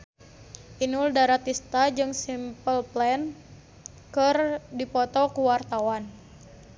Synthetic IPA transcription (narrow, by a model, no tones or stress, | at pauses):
ʔinuldaɾat̪ist̪ad͡ʒɨŋsimpəlplɛn | kɨrdipɔt̪ɔkuwart̪awan